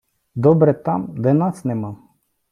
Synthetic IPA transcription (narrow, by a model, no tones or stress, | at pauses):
d̪ɔbɾɛt̪amd̪aɛnasnɛmam